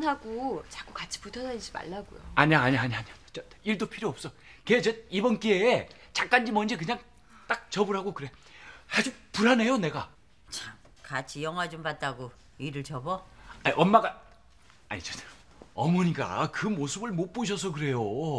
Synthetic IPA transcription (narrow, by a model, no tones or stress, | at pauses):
nɦaɡot͡ɕḁk͈ukat͡ɕʰi̥putʰʌnad͡ʑima̰ɭːaɡojo̰aɲaːɲaaɲaaɲat͡ɕʌ | iɭdopʰiɾjoʌp̚s͈ʌ | ket͡ɕʌibʌnk͈eet͡ɕak͈and͡ʑimʌnd͡ʑek̬ɯɲaŋ | t͈ak̚t͡ɕʌbɯɾɦaɡokɯɾe̞had͡ʑupuɾane̞jone̞ɡa | t͡ɕam | kat͡ɕʰijʌŋɦwad͡ʑompat̚t͈aɡo | iɾɯɭt͡ɕʌbʌaiʔʌmːaɡa | a̰ɲit͡ɕʌ | ʌmʌɲik͈a̰kɯmosʰɯbɯɭmop͈oɕ̬ʰʌs̬ʰʌk̬ɯɾe̞jo